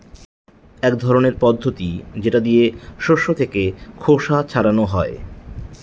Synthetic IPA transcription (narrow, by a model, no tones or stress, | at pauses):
ɛkd̪ʱɔɾoneɾpɔd̪ʱːot̪id͡ʑeʈad̪ijeʃoʃːot̪ʰekekʰoʃat͡ɕʰaɾanoɦɔe